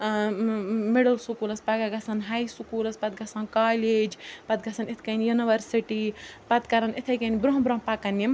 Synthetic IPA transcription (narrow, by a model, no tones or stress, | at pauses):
meɽɐlsukuːlɐspaɡaɡɐsɐnɦajsukuːlɐspɐt̪̚ɡɐsɐːnkaːleːd͡ʒpɐt̪̚ɡɐsʰɐnit̪ʰkɐnjuniʋɐɾsiʈipɐt̪kɐɾɐnit̪ʰɐjkɐnibɾoɦbɾoɦpakɐnim